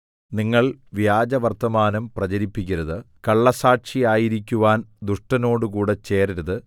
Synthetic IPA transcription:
niŋːɐɭʋjaːd͡ʑɐʋɐrt̪ːɐmaːnɐmprɐt͡ɕɐɾipːikʲːɐɾɐðɨkɐɭːɐsaːʈʂijaːjiɾikʲːuʋaːnd̪uʂʈɐno̞ːɽɨkuːɽe̞t͡ɕe̞ːriɾɐðɨ

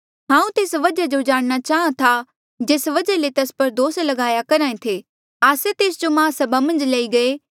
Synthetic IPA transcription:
ɦãːũt̪eːsʋɐd͡ʒad͡ʒod͡ʒaːɽ̃ñat͡ʃaːɦãt̪ʰa | d͡ʒeːsʋɐd͡ʒalet̪ɐspɐɾd̪oːslɐɡaːjakɐɾãːẽt̪ʰeː | aːset̪eːsd͡ʒomãːsɐbʱamɐ̃nd͡ʒleːiɡɐe

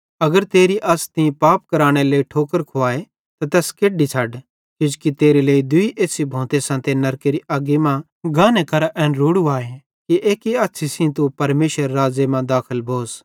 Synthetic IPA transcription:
ɐɡəɾt̪eːɾiʔɐst̪ɪ̃ĩpaːp̚kɐɾaːɽ̃eleːiʈʰoːkəɾkʰʊaːe | t̪at̪ɛːskeːɖit͡ʃʰɐɖ | kʊd͡ʒkit̪eːɾeleːid̪ʊiʔeːsibʱõːt̪esãːt̪enɐɾkeɾiʔaːɡimã | ɡʱãːnekʰɐɾaʔɛ̃ːnɾuːɽuaːe | kiʔeːkiaːtːʃʰisĩt̪upɐɾmeːʃʋəɾːaːd͡ʒemãd̪aːkʰəlbʱoːs

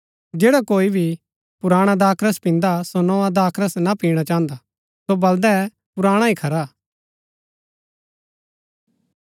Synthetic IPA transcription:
d͡ʒeːɽakoːibʱi | pʊɾaːɽ̃ad̪aːkʰɾəspɪ̃nd̪asonɔ̃ad̪aːkʰɾəsnapiːɽ̃at͡ʃãːə̃nd̪a | sobɐld̪ɛɛ | pʊɾaːɽ̃aikʰɐɾa

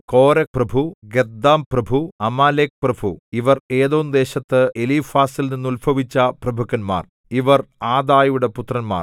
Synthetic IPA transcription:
ko̞ːɾɐprɐbʱuɡed̪ːaːmprɐbʱuɐmaːleːk̚prɐbʱuiʋɐreːðoːnd̪e̞ːɕɐt̪ːɨelifaːsilninːulbʱɐʋit͡ɕːɐprɐbʱukːɐnma̰ːr | iʋɐraːd̪aːjuɽe̞put̪ːrɐnma̰ːr

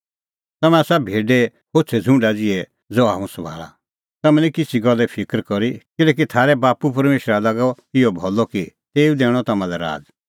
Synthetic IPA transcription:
t̪ɐmɛ̃aːsabʱeːɖɛ | hot͡sʰɛd͡zʱũɳɖad͡zɪɛ | d͡zoːɦa̰ːũsɐbʱa̰ːɭa̰ | t̪ɐmɛ̃nikɪt͡sʰiɡɔlːɛpʰɪkɾkɔɾikɪlɛːk̬it̪ʰaːɾɛbaːpup̬ɐɾmeːʃɾalaɡɔ | ɪɔbʱɔlɔkit̪eːũd̪eːɽ̃ɔt̪ɐmãlɛɾa̰ːd͡z

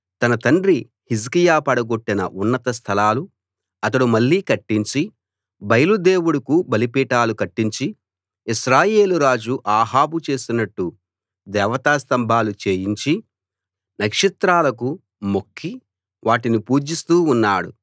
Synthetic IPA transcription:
t̪ɐnɐt̪ɐɳɖɾi | his̬kijaːpɐɽɐɡo̞ʈːinɐ̰ʔunːɐt̪ɐs̬t̪ʰɐlaːlu | ɐt̪ɐɽumɐɭːiːkɐʈːiɲt͡ʃi | bɐjɐlud̪e̞ːwuɽɐkubɐlipiːʈaːlukɐʈːiɲt͡ʃi | iʃɾaːje̞ːluɾaːd͡ʒuʔaːɦaːbut͡ʃe̞ːsinɐʈːu | d̪ɛːʋɐt̪aːst̪ɐmbʱaːlut͡ʃe̞ːjiɲt͡ʃi | nɐkʂit̪ɾaːlɐk̬u | mo̞kʰːi | ʋʔaːʈinipuːd͡ʒist̪uːnːaːɽṵ

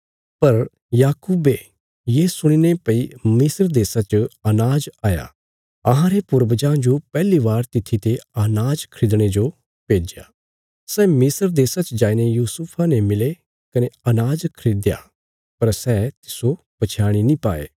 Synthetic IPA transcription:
pɐɾ | jaːkuːbe | jeːsʊɽ̃inepɐimɪsəɾd̪eːsat͡ʃɐnaːd͡ʒaːja̰ː | ɐɦãɾepʊɾbəd͡ʒãːnd͡ʒopɛːliʋaːɾt̪ɪt̪ʰit̪eɐnaːd͡ʒkʰɾɪd̪ɽ̃ed͡ʒo | peːd͡ʒja̰ː | sɛːmɪsəɾd̪eːsat͡ʃd͡ʒaːinejuːsupʰanemɪle | kɐneɐnaːd͡ʒkʰɾɪd̪ja̰ː | pɐɾsɛːt̪ɪ̥so | pɐt͡ʃʰaːɽ̃inĩpaːḛː

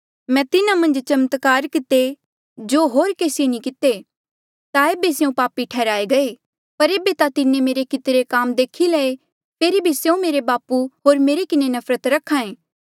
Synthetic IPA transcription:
mɛ̃ːt̪ɪnamɐ̃nd͡ʒt͡ʃɐmt̪kaːɾkɪt̪e | d͡ʒoːɦoːɾkeːsɪenĩkɪt̪e | t̪aeːbeseũpaːpːiʈʰɛːɾaːeɡɐe | pɐɾeːbet̪at̪ɪnẽmeːɾekɪt̪ɾekaːmd̪eːkʰːilɐe | pʰeːɾibʱiseũmeːɾebaːpuɦoːɾmeːɾekɪnenɐfʰɾət̪ɾɐkʰːãːẽː

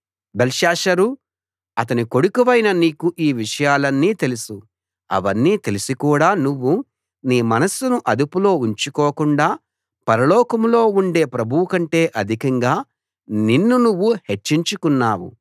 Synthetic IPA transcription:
belʃaːʂɐɾu | ɐt̪̬ɐniko̞ɽukuʋɐjnɐniːkuʔiːʋiʂɐjaːlɐnːiːt̪e̞lusu | ɐ̰ʋɐnːiːt̪e̞lusikuːɽaːnuʋːu | niːmɐnɐsunuʔɐd̪upulo̞ːuɲt͡ʃukɔːkuɳɖaː | pɐɾɐlɔːkɐmlo̞ːuɳɖe̞ːpɾɐbʱuwukɐɳʈe̞ːʔɐd̪ʱikɐŋɡaː | ninːunuʋːuhe̞t͡ʃːiɲt͡ʃukunːaːwṵ

